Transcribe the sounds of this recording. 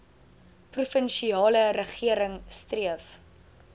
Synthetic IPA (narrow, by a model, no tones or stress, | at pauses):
prufənʃiɑːləɾəχiəɾəŋstriəf